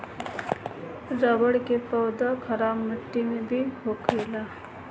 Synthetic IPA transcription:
ɾabəɽkepəwd̪akʰɐɾaːbməʈːimẽbʱiɦokʰəɪla

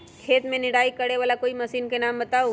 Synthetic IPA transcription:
kʰeːt̪mẽnɪɽaːikɐɽeʋaːlakoːimɐsiːnkenaːmbɐt̪aːo

